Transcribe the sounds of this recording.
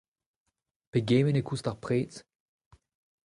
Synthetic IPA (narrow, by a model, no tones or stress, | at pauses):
peɡeːmenekustaʁpʁeːt